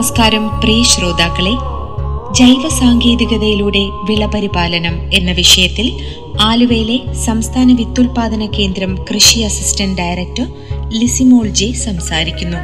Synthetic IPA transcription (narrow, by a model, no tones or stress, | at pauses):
ɐskaːɾɐmpriːɕro̞ːd̪aːkːɐɭe̞ | d͡ʑɐjʋɐsaːŋɡe̞ːd̪iɣɐðɐjiluːɽe̞ʋiɭɐpɐɾibaːlɐnɐme̞nːɐʋiʂɐjɐt̪ːil | aːluʋɐjile̞sɐmst̪ʰaːnɐʋit̪ːulpaːd̪ɐnɐkːe̞ːnd̪ɾɐmkrɨʂiɐsistɐnɖɐjrek̚tɐr | lisimo̞ːld͡ʑesɐmsaːɾikʲːunːu